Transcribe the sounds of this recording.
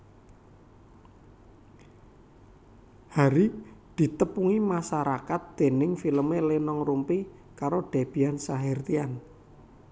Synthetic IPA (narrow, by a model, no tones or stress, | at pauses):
haɾid̪̥i̤t̪əpuŋimasaɾakat̪̚d̪̥e̤nɪŋfiləmelenɔŋrumpikaɾoɖ̥a̤b̥i̤jansaɦɛrt̪ian